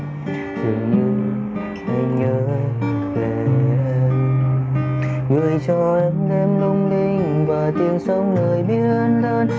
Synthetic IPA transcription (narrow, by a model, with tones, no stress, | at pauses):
tɨ̰˨˩ŋɲɨ˧ | ha˧ɲəː˨˦ve˨˩ʔɛ˧m | ɣɨ̰˧˩əjt͡ɕɔ˧ʔɛ˧mɗɛ˧mlʊ˧ŋ͡mɗi˧˩ŋvaː˨˩t̪i˨˩ənsə˧˦wŋ͡mnəː˨˩jɓi˦˧˥ət̚əː˧nɗəː˧n